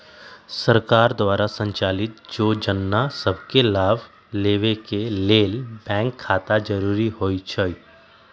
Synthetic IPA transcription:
səɾkaːɾd̪ʋaːɾasə̃ɲt͡ʃaːlɪt̪̚d͡ʒoːd͡ʒənːasəbʱkelaːb | leːʋekeleːlbɛ̃ːŋkʰːaːt̪ad͡ʒəɾuːɾiɦoːit͡ʃʰəi

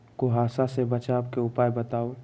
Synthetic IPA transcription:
koɦaːsasebɐt͡ʃaːbkeʊpaːjbɐt̪aːo

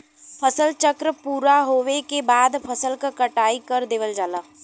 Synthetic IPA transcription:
pʰəsəlt͡ʃəkɾəpuːɾaɦoːʋekebaːd̪pʰɐsəlkakəʈaːikəɾd̪eːʋəld͡ʒaːlaː

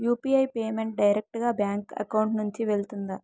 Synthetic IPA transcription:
juːpiɐjpeːme̞ɳʈ̚ɖɐjɾek̚ʈɡaːbjaːŋkɐ̰kɐwɳʈnuɲt͡ʃiʋeɭt̪und̪a

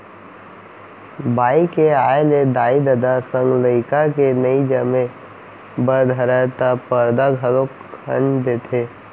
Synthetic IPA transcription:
baːikeaːjeled̪aːid̪əd̪asə̃ŋɡləɪkakenəid͡ʒəmẽ | bəɾd̪ʱəɾət̪apəɾd̪aɡʱəlokkʰə̰nd̪eːt̪ʰeː

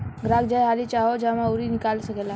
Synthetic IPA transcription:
ɡɾaːɡd͡ʒajɦaːlit͡ʃaːɦod͡ʒaːmãoɾinɪkaːlsəkɛːla

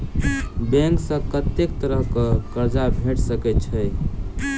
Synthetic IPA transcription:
bɛ̃ŋksə̃kət̪ːekt̪əɾəɦkəkəɾd͡ʒabʱeʈʰsəkɛt̪t͡ʃʰəj

